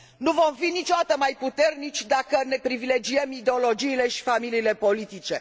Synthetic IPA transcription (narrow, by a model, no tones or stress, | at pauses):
nuvo̞mfinit͡ʃod̪at̪əmajput̪e̞rnit͡ʃʲd̪akəne̞pɾivile̞d͡ʒiemid̪e̞o̞lo̞d͡ʒiːle̞ʃi̥familiːle̞po̞lit̪it͡ʃe̞